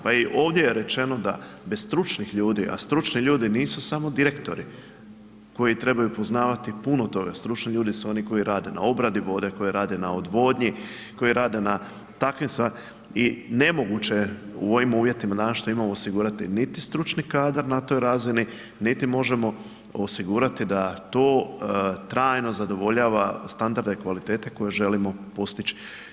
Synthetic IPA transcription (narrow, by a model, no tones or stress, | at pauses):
paiʔo̞ːʋd̪jejeɾe̞t͡ʃe̞no̞d̪a̰ | besst̪ɾut͡ʃnixʎuːd̪iʔa̰st̪ɾut͡ʃniʎuːd̪iniːsusamo̞d̪iɾe̞kt̪o̞ɾi | ko̞jit̪ɾe̞bajupo̞znaːʋat̪ipuno̞t̪o̞ɡa̰st̪ɾut͡ʃniʎuːd̪isuo̞niko̞jiɾaːd̪e̞na̰o̞bɾad̪iʋo̞d̪e̞ko̞jiɾaːd̪e̞naod̪ʋo̞ːd̪ɲi | ko̞iɾaːd̪e̞na | t̪akʋimsʋa | ine̞mo̞ɡut͡ɕe̞ṵo̞ʋimuːʋje̞t̪imad̪aʃt̪o̞imamoosiɡuːɾat̪init̪ist̪ɾut͡ʃnikaːd̪aɾnat̪o̞ːjɾazini | nit̪imo̞ʒe̞mo̞ | osiɡuːɾat̪id̪at̪o̞ːt̪ɾaːjno̞zad̪o̞ʋo̞ʎaːʋast̪and̪aɾd̪e̞kʋalit̪e̞ːt̪e̞ko̞jeʒe̞limo̞po̞st̪it͡ʃi̥